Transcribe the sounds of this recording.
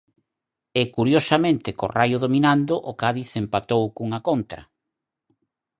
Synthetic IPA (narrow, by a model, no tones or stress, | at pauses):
ɪkuɾjosamẽnt̪ɪko̰rajʊðominand̪ʊʔokaðiθempat̪owkuŋɐkont̪ɾɐ̰